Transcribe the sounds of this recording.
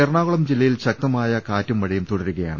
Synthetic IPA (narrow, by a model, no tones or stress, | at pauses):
erɳaːɣuɭɐmd͡ʑilːɐjilɕɐk̚t̪ɐmaːjɐkaːtːɐmʋɐɻɐjumt̪oɽɐɾuɣɐja̰ːɳɨ